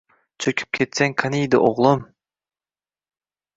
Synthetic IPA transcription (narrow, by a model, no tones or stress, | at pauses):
t͡ʃʰøkʲʰy̥p̚kʲʰet̪seŋʲkʰanijd̪ɪʔoʁlˠum